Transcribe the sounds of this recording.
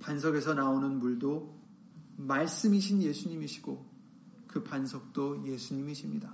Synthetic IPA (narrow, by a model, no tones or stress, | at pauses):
pansʰʌɡe̞sʰʌnaonɯnmuɭdo | maɭs͈ɯmiɕʰinje̞sʰuɲimiɕʰi̥ɡ̥o | kɯpansʰʌk̚t͈oje̞sʰuɲimiɕʰimɲida